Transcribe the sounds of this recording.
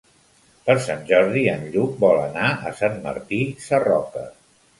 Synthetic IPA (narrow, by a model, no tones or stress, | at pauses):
pəɾsanʲʒɔɾðiənʎuk̚bɔlənaə̰sanmə̰ɾt̪isərɔ̰kə̰